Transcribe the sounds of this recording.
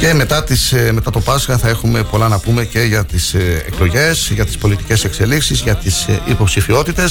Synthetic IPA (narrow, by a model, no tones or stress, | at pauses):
ce̞me̞t̪ɐt̪isme̞t̪ɐt̪o̞pɐsxɐθɐe̞xume̞polɐnɐpume̞ce̞ʝɐt̪isḛkloʝe̞sʝɐt̪i̥spo̞lit̪i̥ce̞se̞kse̞liksizʝɐt̪isipo̞psifio̞t̪it̪e̞s